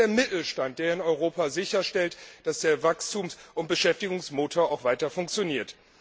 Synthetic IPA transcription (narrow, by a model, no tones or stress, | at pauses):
eːɐmɪtl̩ʃtant̚d̥eːɐɪnɔʏʁ̞oːpazɪçɐʃtɛltd̥asd̥eːɐvakstʰuːmsʊnt̚b̥əʃɛftɪɡʊŋsmoːtʰoːɐaʊxv̥aɪtɐfʊŋk̚t͡sjoniːɐt